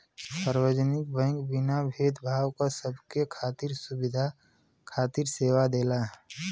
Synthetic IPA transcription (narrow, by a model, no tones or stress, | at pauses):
səɾwəd͡ʒnɪk̚bɛ̃ŋkbɪnabʱeːd̪bʱaːwkasəbʱkekʰaːt̪iɾsʊbɪd̪ʱa | kʰaːt̪iɾseːwad̪eːla